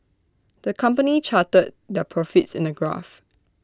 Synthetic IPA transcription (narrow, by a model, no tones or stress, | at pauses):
d̥əkʰãmpənit͡ʃʰatəd̚ | dɛpʰɹɔfɪtsɪ̰̃nəɡɹa̰f